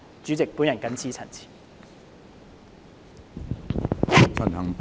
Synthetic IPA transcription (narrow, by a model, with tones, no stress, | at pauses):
t͡syː˨˥t͡sɪ˨k̚pu˨˥njɐ˨nkɐ˨˥nt͡sʰiː˨˥t͡sʰɐ̰˨˩nt͡sʰi̥ː˨˩ | t͡sʰɐ˨˩nhɐ˨˩ŋp